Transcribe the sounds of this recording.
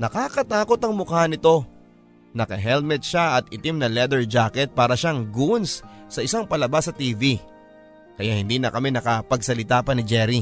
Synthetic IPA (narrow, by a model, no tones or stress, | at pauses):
nɐkaːkɐt̪aːko̞t̪ɐŋmʊkahɐnɪt̪o̞ | nɐkɐɦɛlmɛt̪̚ʃaʔɐt̪̚ɪt̪imnɐlɛd̪ɛɹd͡ʒaːkɛt̪̚paːɾɐʃaŋɡunsːɐʔɪsaŋpɐlɐbasːɐt̪iːvi | kɐjahɪnd̪inɐkɐmɛnɐkɐpɐɡsɐlɪt̪apɐnɪd͡ʒɛɾi